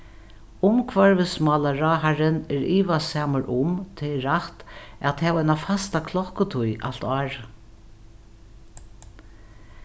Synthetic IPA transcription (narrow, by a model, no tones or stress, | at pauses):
ʊmkʰvaɹʋɪsmɑːlaɾaɦaɾɪnɛɹiːʋasaːməɹʔʊmt̪ʰɪlɾaht̪ɛt̪hɛːvɛnafast̪akʰlɔhkʊt̪ʰujʔa̰l̥t̪ɑːɹ